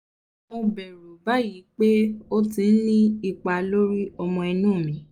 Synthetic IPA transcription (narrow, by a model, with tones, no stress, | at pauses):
mo˧bɛ˨ɾu˨ba˦ji˨˦k͡pe˦o˦tĩ˧n̩˦nĩ˦i˧k͡pa˧lo˦ɾi˦ɔ˧mɔ̃˧ɛ˧nũː˦˨mĩ˨˦